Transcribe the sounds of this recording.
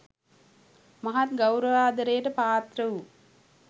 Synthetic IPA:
mɐɦat̪ɡɐwɾəʋaːd̪əɾejəʈəpaːt̪ɾəʋu

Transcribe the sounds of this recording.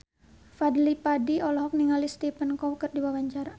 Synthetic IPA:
fadlipadiɔlɔɦɔk̚niŋalist̪ipənkɔwkərdiwawaɲt͡ʃaɾa

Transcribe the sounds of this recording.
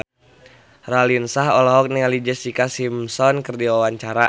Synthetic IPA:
ralinsaɦɔlɔɦɔk̚niŋalid͡ʒɛsikasimsɔnkərdiwawaɲt͡ʃaɾa

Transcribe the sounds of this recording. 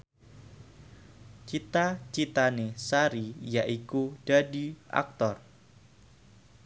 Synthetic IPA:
t͡ʃit̪at͡ʃit̪anesaɾijaʔikud̥adiʔa̰k̚t̪ɔr

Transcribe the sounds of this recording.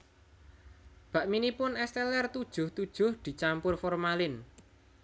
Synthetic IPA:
b̥a̤ʔminipʊnɛst̪ɛlɛrt̪ud̥ʒ̥ʊ̤ht̪ud̥ʒ̥ʊ̤hd̪̥i̤t͡ʃampʊrfɔrmalɪn

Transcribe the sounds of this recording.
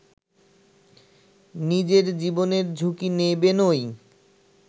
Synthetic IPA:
nid͡ʑeɾd͡ʑiboneɾd͡ʑʱukinebenoj

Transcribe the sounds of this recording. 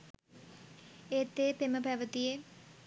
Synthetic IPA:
eːt̪ːepeməpɛʋət̪ije

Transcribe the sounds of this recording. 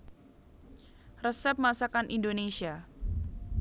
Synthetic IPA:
rəsɛp̚masakanʔindonesia

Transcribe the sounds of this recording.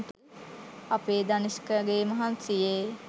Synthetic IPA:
t̪ | apeːd̪aniskəɡeːmɐɦansijeː

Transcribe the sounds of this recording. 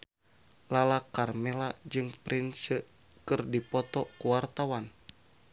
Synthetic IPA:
lalakarmɛlad͡ʒɨŋpɾʔinsə | kɨrdipɔt̪ɔkuwart̪awan

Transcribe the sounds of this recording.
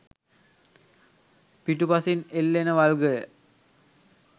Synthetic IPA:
piʈupasinelːenəʋalɡəjə

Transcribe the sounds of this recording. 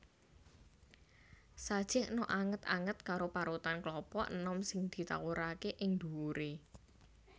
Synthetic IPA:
sad̥ʒ̥ɪhnɔʔaŋət̪a̰ŋət̪̚kaɾopaɾut̪anklɔpɔʔnɔmsɪŋd̪̥i̤t̪a̰wuɾakeʔɪŋd̪̥uuɾe

